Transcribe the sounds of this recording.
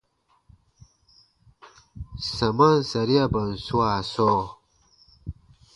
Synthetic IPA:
sɐ˨ma˦nsɐ˨ɾi˦a˦bɐ˨nsu˦aː˨so˦

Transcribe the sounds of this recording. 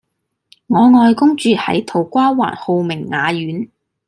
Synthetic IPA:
ŋɔː˨˧ŋɔː˧jkʊ˥ŋt͡ʃyː˨˧hɐ̰˨˥jt̪ʰo˨˩wkʷaː˥wa̰ː˨˩nho˨˧wmɪ˨˩ŋːaː˨˧jyː˨˥n

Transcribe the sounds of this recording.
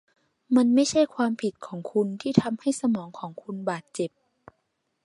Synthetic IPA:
ma˧nma˥˩jt͡ɕʰa˥˩jkʰwaː˧mpʰi˨˩t̪̚kʰɔː˩˦ŋkʰu˧nt̪ʰiː˥˩t̪ʰa˧mha˥˩jsa˧mɔː˩˦ŋkʰɔː˩˦ŋkʰu˧nbaː˨˩t̪̚t͡ɕe˨˩p̚

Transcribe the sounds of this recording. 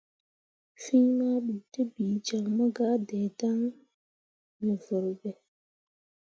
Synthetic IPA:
fi˦ɲma˦ɓi˨tə˦biː˨d͡ʒa˨ŋmə˦ɡa˦dɛ˨ta˦ŋ | nə˨və˨ɾbɛ˨

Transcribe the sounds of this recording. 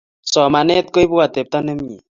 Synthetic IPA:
sɔ˨ma˨ne˦t̪̚ko˦jbu˦wa˨t̪e˨p̚t̪a˦ne˦mi˨

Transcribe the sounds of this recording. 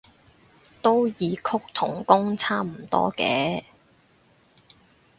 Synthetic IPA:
t̪o˥wjiː˨˧kʰʊ˥k̚t̪ʰʊ˨˩ŋkʊ˥ŋt͡sʰaː˥m̩˨˩t̪ɔ̰ː˥kɛː˨˥

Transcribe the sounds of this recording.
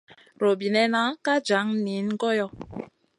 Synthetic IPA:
ɾo˨bi˨nɛ˦na˦ka˦d͡ʒa˨˦ŋ˦ni˨˦n̩˦ɡɔ˦jɔ˦˨

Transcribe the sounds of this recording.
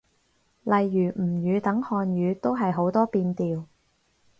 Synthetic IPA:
lɐ˨jːyː˨˩m̩˨˩jyː˨˧t̪ɐ˨˥ŋhɔː˧njyː˨˧t̪o˥wɦɐ˨jɦo˨˥wt̪ɔː˥piː˧nt̪iː˨˧w

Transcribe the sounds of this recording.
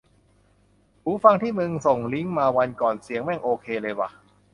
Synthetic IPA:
puː˨˦fa˧ŋt̪ʰiː˥˩mɯ˧ŋso˨˩ŋli˦˥ŋmaː˧wa˧nkɔː˨˩nsi˩˦ŋmɛ˥˩ŋʔoː˧kʰeː˧lɤː˧jwa̰˨˩

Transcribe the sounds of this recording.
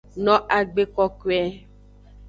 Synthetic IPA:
nɔ̃˦ʔa˨ɡ͡be˦kɔ˦kwɛ˦

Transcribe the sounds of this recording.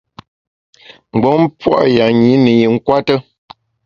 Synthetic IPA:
m̩˨bɔ˨˦m˦pwa̰˦ʔja˨ɲi˨˦nə˨ji˨ŋ̩˦kwa˦tə˦

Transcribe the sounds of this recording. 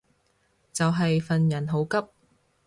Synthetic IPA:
t͡sɐ˨wɦɐ˨jfɐ˨njɐ˨˩nɦo˨˥wkɐ˥p̚

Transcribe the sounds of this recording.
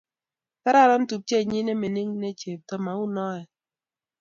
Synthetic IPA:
pɛ˦ɾa˦˨ɾɔ˦n̩˦tu˨p̚t͡ʃe˦˨ɲi˦ne˦me˨ni˦ŋne˦t͡ʃe˨p̚tɔ˦ma˨u˦nɔ˦ɛ˨

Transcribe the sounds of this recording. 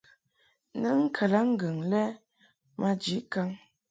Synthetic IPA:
nə˦ŋ̩˦kʰə˨la˨˦ŋ̩˦ɡə˨ŋlɛ˦ | ma˦d͡ʒi˨˦ka˦ŋ

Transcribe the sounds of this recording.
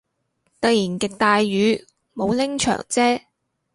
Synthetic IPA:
t̪ɐ˨jiː˨˩nkɪ˨k̚t̪aː˧jːyː˨˧˥ | mo˨˧wlɪ˥ŋt͡ʃʰœ̰ː˨˩ŋt͡sɛː˥

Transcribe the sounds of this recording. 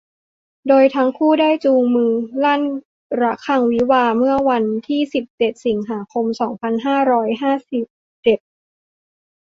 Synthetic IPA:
doː˧jt̪ʰa˦˥ŋkʰuː˥˩daː˥˩jt͡ɕuː˧ŋmɯː˧laː˥˩n | ɾa˦˥kʰa˧ŋwi˦˥waː˧mɯ˥˩ɐwa˧nt̪ʰiː˥˩si˨˩p̚t͡ɕe˨˩t̪̚si˩˦ŋɦaː˩˦kʰo˧msɔː˩˦ŋpʰa˧nɦaː˥˩ɾɔː˦˥jɦaː˥˩si˨˩p̚ | t͡ɕe˨˩t̪̚

